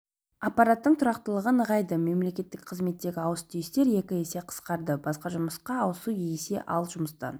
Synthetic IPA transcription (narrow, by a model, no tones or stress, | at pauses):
apːɑɾat̪ːəɴt̪ʰʊɾɑqt̪əlˠəʁənəʁɑjd̪əme̞mle̞kʲe̞t̪ːɪkqʰəzme̞t̪ːe̞ɡʲɪɑwəst̪est̪e̞ɾje̞kʲɪe̞se̞qʰə̥sqɑɾd̪əbɑsqɑʒʊməsqɑːwəsujejse̞̰ʔɑlˠʒʊməst̪ɑ̰n